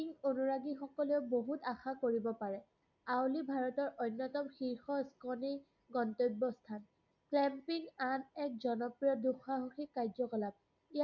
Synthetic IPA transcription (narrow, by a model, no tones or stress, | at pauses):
iŋonuɹaɡixɔkɔleʊboɦutaxakoɹibɔpaɹɛ | awlibʱaɹɔtɔɹʔojnːɔtɔmxiɹxɔskɔni | ɡɔntojbːɔstʰan | klɛmpiŋanɛk̚zɔnɔpɹiɔduxaɦuxikːaɹzɔkɔlab̚ | i